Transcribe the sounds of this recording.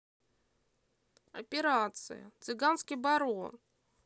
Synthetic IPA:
ɐpʲɪɾat̪sɨ̰jə̰t̪sɨɡanskʲijbɐɾon

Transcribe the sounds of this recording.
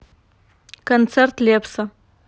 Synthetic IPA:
kont͡sʰert̪lepʰsa

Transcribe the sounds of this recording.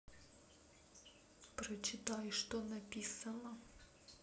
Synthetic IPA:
pɾət͡ɕɪt̪ajʂt̪onɐpʲisənə

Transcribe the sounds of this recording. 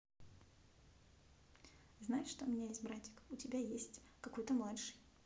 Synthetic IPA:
znajɪʂʂt̪oʊmʲɪnʲajesʲtʲbɾatʲɪ̥kʊtʲɪbʲajesʲtʲ | kɐko̞jt̪əmlˠat̪ʂɨj

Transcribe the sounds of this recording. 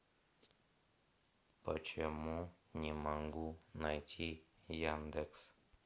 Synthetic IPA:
pə̰t͡ʃemɔ̃nʲimaŋɡunajtʲʰijand̪eks

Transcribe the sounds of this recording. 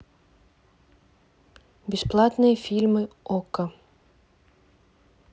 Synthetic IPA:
bʲɪsplˠat̪nɨjɐfʲilʲmɨɔkɐ

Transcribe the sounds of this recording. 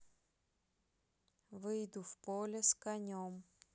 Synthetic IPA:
vɨjd̪ufpolʲɛskɐnʲom

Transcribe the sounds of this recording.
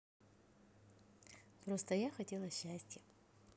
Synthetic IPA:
pɾost̪əjaxɐtʲelˠɐɕːæsʲtʲjə

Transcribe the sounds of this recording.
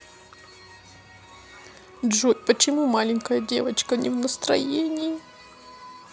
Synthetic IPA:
dʐupət͡ɕɪmumalʲɪnʲkəjədʲe̞̰vət͡ɕkənʲɪvnəst̪ɾɐ̰jenʲɪɪ

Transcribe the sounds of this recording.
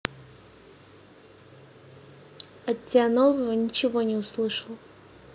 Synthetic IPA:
ɐt̪ʲːɪanovəvənʲɪt͡ɕɪvonʲɪʊslˠɨʂəlˠ

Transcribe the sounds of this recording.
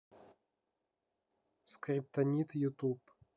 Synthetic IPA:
skrʲip̚t̪ɐnʲit̪jut̪up

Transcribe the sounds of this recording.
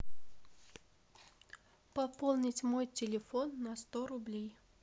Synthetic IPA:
pɐpolˠnʲɪtʲmojtʲɪlʲɪfonːɐst̪oɾʊblʲej

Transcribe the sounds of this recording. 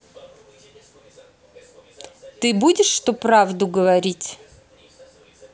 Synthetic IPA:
t̪ɨbudʲɪʂːt̪opravd̪ʊɡəvɐɾʲitʲ

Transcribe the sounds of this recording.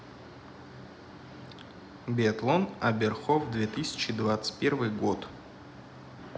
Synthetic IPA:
bʲeɐt̪lˠonɐbʲerχovd̪vʲet̪ɨsʲɪ̥t͡ɕɪd̪vat̪sɨ̥pʲervɨjɡot̪

